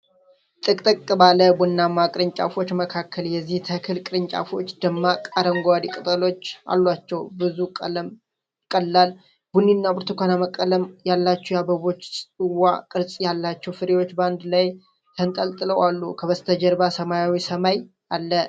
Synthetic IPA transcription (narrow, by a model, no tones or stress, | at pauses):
t̪ʼɨkʼt̪ʼɨkʼːɨbaləbunːamːakʼɾɨɲt͡ʃʼa̰fo̞t͡ʃːməkʰakʰːəljɛzːiht̪ʰəkʰɨlkʼɨɾɨɲt͡ʃʼa̰fo̞t͡ʃːd̪əmːakʼaɾəŋɡʷad̪ikʼɨt̪ʼəlo̞t͡ʃːʔa̰lːat͡ʃːɛwbɨzukʼələm | kʼəlːal | bunːinːabʰoɾt̪ʰɨkʷanaməkʼːələmjalːat͡ʃːujabəβo̞t͡ʃːʼɨwakʼɨɾsʼjalːat͡ʃːɛwfɨɾewo̞t͡ʃːband̪laj | t̪ʰənt̪ʼəlt̪ʼɨləwalːukʰəβəst̪ʰəd͡ʒəɾbasəmajawisəmaj | ʔalːə